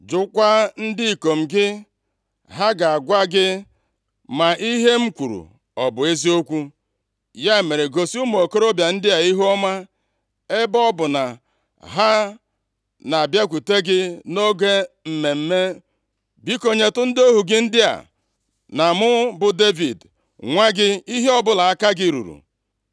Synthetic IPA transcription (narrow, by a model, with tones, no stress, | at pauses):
d͡ʒʊ˨kʷa˦n̩˦dɪ˦i˨ko˨m̩˨ɡɪ˦ | ɦa˦ɡa˨a˨ɡʷa˦ɡɪ˦ | ma˨ʔi˦ɦe˦m̩˦kʷu˨ɾṵ˨ | ɔ˨bʊ˨e˦zi˦o˦kʷu˦ | ja˦e˨me˨ɾe˨ɡo˨si˦u˦m˨o˨ko˦ɾo˦bja˨n̩˦dɪ˦a˨i˦ɦu˦ɔ˦ma˦ | e˦bɔ˦bʊ˨na˨ | ɦa˦ | na˨a˨bja˦kʷu˨te˦ɡɪ˦no˦ɡe˦ | m̩˨me˨m̩˦me˦ | bi˦ko˨ɲe˨tʊ˦n̩˦do˦ɦu˨ɡɪ˦n̩˦dɪ˦a̰˨ | na˨mʊ˦bʊ˨de˦vi˨d | ŋʷa˦ɡɪ˦i˦ɦe˦ɔ˦bʊ˨la˨a˦ka˦ɡɪ˦ɾṵ˨ɾṵ˨